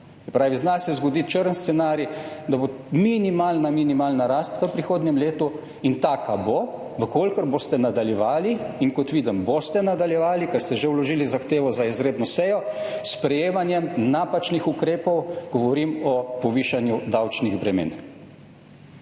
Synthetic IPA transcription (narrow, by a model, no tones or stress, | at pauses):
sɛpɾaːʋiznasɛzɡɔd̪it͡ʃəɾənst̪sɛnaːɾid̪abominimaːlnaminimaːlnaɾaːst̪ʋəpɾixoːd̪nʲjɛmleːt̪u | int̪aːkabo | ʋəkolʲkəɾboːst̪ɛnad̪aljɛʋaːliiŋkɔt̪ʋiːd̪əmbost̪ɛnad̪aljɛʋaːlikɛɾst̪ɛʒewlɔʒiːlizaxt̪eːʋɔzaizɾeːd̪nɔsɛjɔspɾɛjeːmanjɛmnaːpat͡ʃnixukɾeːpɔwɡ̥ɔʋɔɾimɔpɔʋiːʃanjud̪awt͡ʃniɣbɾɛmḛːn